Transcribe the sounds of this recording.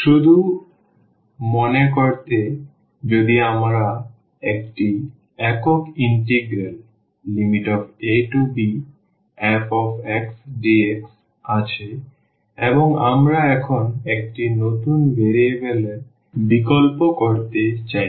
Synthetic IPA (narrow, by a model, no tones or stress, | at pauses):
ʃud̪ʱu | mɔnek̬oɾt̪e | d͡ʑod̪iamɾa | ekʈi | ɛkokiɳʈeɡɾelː | imiʈɔfeʈubi | ɛpɔfeksɖieks | at͡ɕʰe | eboŋa̰mɾaɛkʰonek̚ʈinot̪unbeɾebele | bikolpokoɾt̪et͡ɕaj